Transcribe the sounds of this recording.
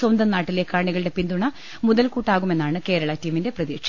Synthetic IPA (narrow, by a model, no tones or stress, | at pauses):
swɐnd̪ɐmnaːʈːile̞ːkːaːɳiɣɐɭɨɽe̞pind̪uɳɐ | muðɐlkuːʈːaːɣume̞nːaːɳɨke̞ːɾɐɭɐtːiːminde̞prɐðiːkʂɐ